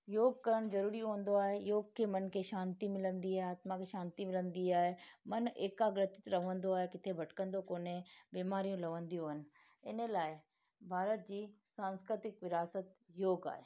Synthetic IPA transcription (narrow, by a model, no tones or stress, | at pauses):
joːɡkɐɾəɽ̃zɐɾuːɾiɦõːn̆d̪oaːɦejoːɡkʰemɐnkʰeʃãːnt̪imɪlə̃nd̪iaːɦeaːt̪mãkʰeʃãːnt̪imɪlə̃nd̪iaːɦemɐneːkaɡɾət̪ɪ̥t̪ɾɐʋə̃nd̪oaːɦekɪt̪ʰebʱɐʈkə̃nd̪okoːnẽbeːmaːɾijũlɐʋə̃nd̪ijõɦənɪ̆ | ɪ̰nlaːɪ | bʱaːɾət̪̚d͡ʑiːsãːnskɾɪt̪ɪkʋɪɾaːsət̪joːɡa̰ːɦeː